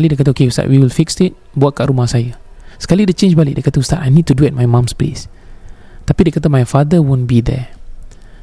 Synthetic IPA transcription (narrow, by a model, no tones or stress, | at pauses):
alidɛkat̪̬əokeust̪a̰ʔwiwilfiksɪt̚ | buat̚kaʔɾumahsajəskalidet͡ʃẽnd͡ʒbalḭʔdɛkat̪əust̪atajnid̚t̪uduɛt̚majmãmsplḭs | t̪apidɛkat̪̬əmajfadəwõnbid̪ɛ̰